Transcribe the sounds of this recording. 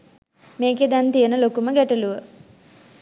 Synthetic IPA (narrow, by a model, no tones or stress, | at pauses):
meːked̪ɛnt̪ijənəlokuməɡæʈɐluʋə